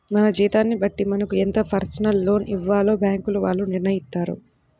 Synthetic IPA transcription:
mɐnɐd͡ʒiːt̪aːnːibɐʈːimɐnɐkuent̪ɐpʰɐɾsɐnɐlːo̞ːniʋːaːlo̞ːbjaːŋkuluʋaːɭːuniɾnɐjist̪ːaːɾṵ

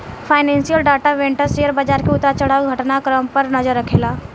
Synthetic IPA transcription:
pʰaːɪnɛ̃ːnsijəlɖaːʈaʋẽɳʈəɾsejəɾbad͡ʒaːɾkeʊt̪ɾat͡ʃəɽ̤aːuɡʱɐʈnakɾəmpəɾnəzəɾːɐkʰeːlaː

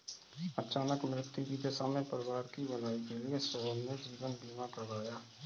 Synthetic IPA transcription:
ət͡ʃaːnəkmɾɪt̪ːjukid͡ʒesaːmepəɾɪʋaːɾkibɐlaːikeliesəbənmẽd͡ʒiːʋənbʱiːmakəɾaːjaː

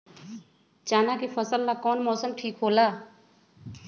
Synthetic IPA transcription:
t͡ʃaːnaːkifʰəsəlːaːkɔːnmɔːsəmʈʰiːkɦoːlaː

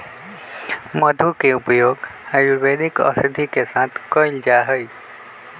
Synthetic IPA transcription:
məd̪ʱukeupjoːɡhajuɾʋeɗ̪ikə̰səd̪ʱikesãt̪ʰkɔild͡ʒaɦəj

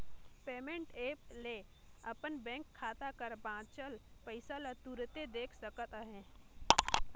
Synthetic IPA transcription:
peːmẽɳʈeːple | əpənbɛ̃ːŋkʰːaːt̪akəɾbãːt͡ʃəlpəɪsalət̪uːɾt̪ed̪eːkʰsəkət̪aɦɛ̃ː

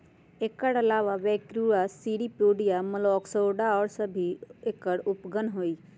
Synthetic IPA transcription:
ekəɽɐlaːʋaʋɛːkɾuasiːɽipjoːɖijaməlɔːksoːɖaɔːɾsəbʱiekəɽʊpɡənɦoːiː

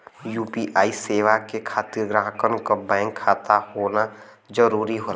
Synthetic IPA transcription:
juːpiʔaːiseːʋakekʰaːt̪ɪɾɡɾãːkənkabɛ̃ːŋkʰːaːt̪ahoːna | d͡ʒəɾuːɾiɦoːa

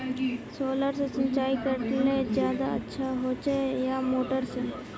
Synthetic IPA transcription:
soːləɾsesə̃ɲt͡ʃaːikəɾʈled͡ʒjaːd̪aətːʃʰaɦoːt͡ʃejamoːʈəɾse

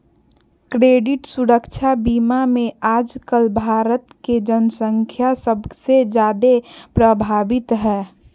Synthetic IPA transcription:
kɾeːɖɪʈsuɾəkʃʰabiːmamẽaːd͡ʒkəlbʱaːɾət̪ked͡ʒənsə̃ŋkʰjasəbsed͡ʒjaːd̪epɾəbʱaːbɪt̪ɦɛː

